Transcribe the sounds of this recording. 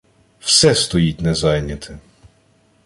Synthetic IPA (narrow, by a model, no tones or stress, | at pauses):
wsɛst̪ɔjit̚ʲnɛzɑjnʲɐt̪ʰɪ